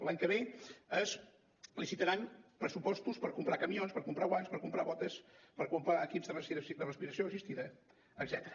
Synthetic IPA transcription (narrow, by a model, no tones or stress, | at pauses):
laɲkəβ̞eəs | lisit̪əɾanpɾəsupɔst̪uspəɾkumpɾakəmionspəɾkumpɾaɣwanspəɾkumpɾaβɔt̪əspəɾkumpɾaəkipzðərəid̪ərəspiɾəsioəʒist̪iðəː | ɡzɛt̪əɾə